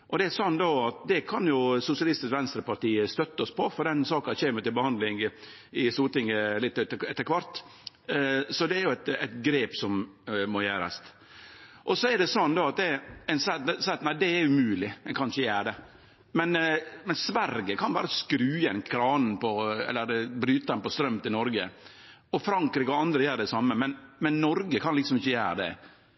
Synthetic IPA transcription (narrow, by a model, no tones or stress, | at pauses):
ʔɔd̪ɛæsɔnːd̪oɑt̪̚d̪ɛkʰɑnjʊsʊsɪɑlɪst̪ɪsʋɛnst̪ɾəpɑɾt̪iːəst̪œt̪ːəɔspʰɔfɔɾd̪ɛnsɑːkɑçeːməɾt̪ɪlbəhɑnd̪lɪŋ | ɪsuːt̪ɪŋːəlɪt̪ːɛt̪ːəɛt̪ːəɾkʰʋɑɾt̪ | sɔd̪ɛæɾjʊæt̪ɛ̰t̪ɡɾeːpsɔmmɔjæːɾɑ̰st̪ | ʔɔsɔɛɾɖɛsɔnːd̪oɑt̪̚d̪ɛæɪnsɑt̪sɑːɑt̪næɪd̪ɛɛɾʉmʉːlɪɛkʰɑnʂəjæːɖɛ | mɛnmɛnsʋæɾɡəkʰɑnbɑ̰ːɾəskɾʉːɛnkʰɾɑːnn̩pʰɔɛ̰lːəɾbɾyːt̪əɛnpɔst̪ɾœmt̪ɪnɔɾɡə̰ | ɔfɾɑŋkɾiːkɔɑnd̪ɾəjæːɾɖ̪ɛsɑmːəmɛnmɛnːɔɾɡəkʰɑnlɪksɔmɪçːəjæːɾəd̪ɛ̰